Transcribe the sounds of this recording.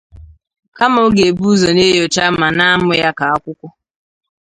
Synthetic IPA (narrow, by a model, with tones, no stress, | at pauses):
ka˦mo˦ɡe˨bu˦zo˨ne˦jo˨t͡ʃa˦ma˨na˦a˦mʊ˦ja˦ka˨a˦kʷʊ˦kʷʊ˦